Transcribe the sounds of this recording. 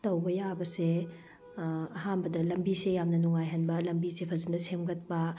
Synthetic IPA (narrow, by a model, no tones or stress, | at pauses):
tɐwbɐjabɐse | ɐɦambɐdɐlɐmbisejamnɐnuŋajɦɐnbɐlɐmbisepʰɐzɐndɐsemɡɐt̚pɐ